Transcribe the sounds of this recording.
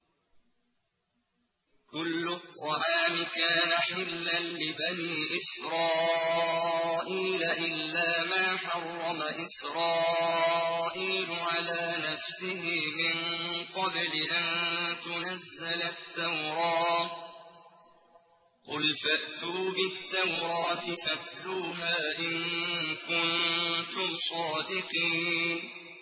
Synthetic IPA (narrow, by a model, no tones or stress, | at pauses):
kʊlːʊt̪ˤːɑʕaːmɪkaːnaħɪlːanlɪbaniːʔɪsɾˤɑː | ʔiːlaʔɪlːaːmaːħɑrˤːɑmaʔɪsɾɑː | ʔiːlʊʕalaːnafsɪhɪmɪnqɑblɪʔant̪ʊnazːalat̪ːawɾˤɑː | qʊlfaʔt̪uːbɪt̪ːawɾˤɑːt̪ɪfat̪luːɦaːʔɪnkʊnt̪ʊmsˤɑːd̪ɪqiːn